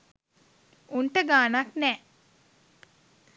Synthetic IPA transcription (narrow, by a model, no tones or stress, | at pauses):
unʈəɡaːnaknɛː